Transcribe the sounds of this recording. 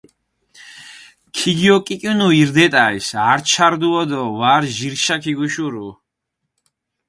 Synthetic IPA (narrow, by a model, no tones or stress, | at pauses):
kʰiɡiɔkʼikʼjunuiɾd̪ɛt̪ʼaisaɾt͡ʃʰaɾd̪uɔd̪ɔvaɾʒiɾʃakʰiɡuʃuɾu